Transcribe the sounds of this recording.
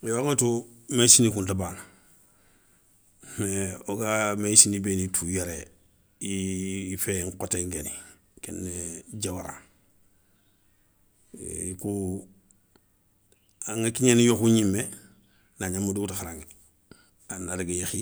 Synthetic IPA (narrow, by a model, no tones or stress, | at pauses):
joŋatu | mesinikuntabaːn | meoɡamesinibenitʰujaɾe | ifeŋkoteŋɡeni | kenːeɟawaɾa̰ | ku | aŋakiɲenijokuɲimːe | naɲamːudutaxaɾaŋi | anaɾiɡejixi